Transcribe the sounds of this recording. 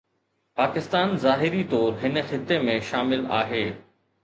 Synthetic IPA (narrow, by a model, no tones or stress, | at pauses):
paːkɪst̪aːnzaːɦɪɾit̪ɔːɾɦɪnə̆xɪt̪ːemẽʃaːmɪla̰ːɦeː